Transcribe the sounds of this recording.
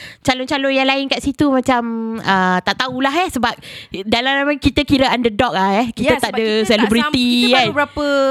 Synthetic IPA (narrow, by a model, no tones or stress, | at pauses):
t͡ʃalʊnt͡ʃalʊnjaŋlaɪnkaʔsit̪umãt͡ʃamət̪aʔt̪aulaɦasəbap̚dalamlamakit̪əkiɾəʔandədɔk̚lahjɛkiaaʔdəsɛlɛbɾit̪ikanbəapə